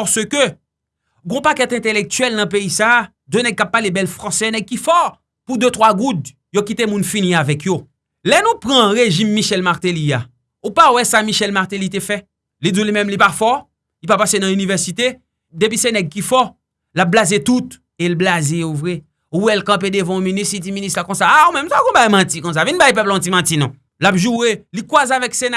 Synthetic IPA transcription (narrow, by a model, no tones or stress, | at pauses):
pɔsøkø | ɡɔ̃pakɛt̪ɛ̃t̪elɛk̚t̪ɥɛlnɐ̃peisa | d̪ønɛɡ̚kapːalebɛlfʁɑ̃sɛnɛɡ̚kifɔ | pud̪øt̪ʁwaɡud̪ | jokit̪emũnfiniavɛkʰjo | lɛnũpʁɑ̃ʁeʒimːiʃɛlmaʁt̪elia | upawɛsamiʃɛlmaʁt̪elit̪efɛ | lidulimɛ̃mlipafɔ | lipapasenãynivɛʁsit̪e | depisenɛɡ̚kifɔ | lap̚blazet̪ut̪ | elblazeuvʁɛ | uwɛlkɐ̃pedəvãõminisid͡ziminist̪lakɔ̃saːumɛ̃msakɔ̃bajmãtikɔ̃s̬avinbajpɛplɔ̃timãtinɔ̃ | lapʒuʁelikwazavɛksena